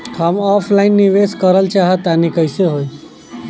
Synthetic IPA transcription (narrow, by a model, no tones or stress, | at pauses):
həmɔfʰlainːiʋeskəɾəlt͡ʃaɦət̪ːanikəjseɦoj